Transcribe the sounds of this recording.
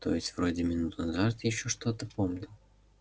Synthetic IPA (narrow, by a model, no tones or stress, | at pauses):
t̪o̞̰jɪsʲtʲv̥ɾo̞dʲɪmʲɪnut̪ʊnɐzat̪jɪɕːoʂt̪o̞t̪əpo̞mnʲʊ